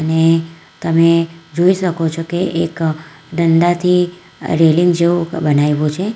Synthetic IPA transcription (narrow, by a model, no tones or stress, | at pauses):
əne | t̪əmed͡ʒoiʃəkot͡ʃʰokeʔek | ɖəɳɖ̪at̪ʰi | ɾeliŋɡd͡ʒeʋũbənajʋũt͡ʃʰe